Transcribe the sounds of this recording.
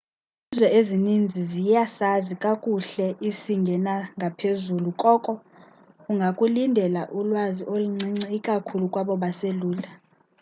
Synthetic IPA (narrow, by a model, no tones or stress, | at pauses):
izwɛʔezinind͡zʱizijasazikʼakʼuɬɛʔisiŋɡʱɛnaŋɡʱapʰezulukʼɔkʼɔ | uŋɡʱakʼulindʱɛlaʔulwaziʔoluŋ͡ǀiŋ͡ǀikʼakʰulukʼwaɓɔɓaseluːla